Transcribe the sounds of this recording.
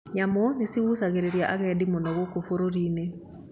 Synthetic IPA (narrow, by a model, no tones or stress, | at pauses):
ɲamonesiɣusaɣeɾeɾjaʔaɣɛdimonɔɣokofoɾoɾine